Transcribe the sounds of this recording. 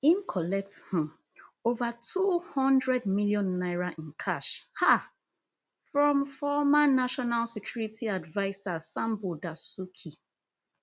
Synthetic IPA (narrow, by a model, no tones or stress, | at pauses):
ĩnkʰɔlɛk̚th̩ | ovatʰuhɔ̃ndɹɛd̚miljɔ̃nːaɪɹaʔĩnkʰaʃha | fɹɔ̃mfɔmanaʃɔnalsɛkʰj̥uɹitʰiadvaɪsasãmbudasukʰi